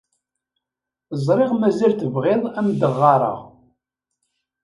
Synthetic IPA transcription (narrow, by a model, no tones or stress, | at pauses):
zˤɾˤɪʁmæzælθəvʁɪðˤæmd̪əʁːɑɾˤə̰ʁ